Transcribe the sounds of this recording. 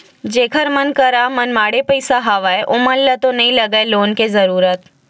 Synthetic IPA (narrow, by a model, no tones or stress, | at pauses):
d͡ʒeːkʰəɾmɐnkɐɾamɐnmaːɽepɐɪsaɦaʋaːeʔʊməlːət̪onɐɦĩlɐɡaeloːnkezɐɾuːɾət̪